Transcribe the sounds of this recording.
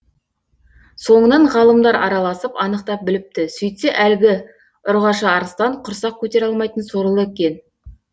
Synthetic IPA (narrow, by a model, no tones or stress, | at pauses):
so̞ɴənɑɴʁɑlˠəmd̪ɑɾɑɾɑlˠɑsəpɑnəqt̪ɑp̚bɪlɪp̚t̪ɪsʏjt̪seʔælɡʲɪ | ʊɾʁɑʃɑːɾəst̪ɑɴqʰʊɾsɑq̚kʲʰɵt̪e̞ɾɑlˠmɑjt̪ənso̞ɾəlˠəekʲe̞n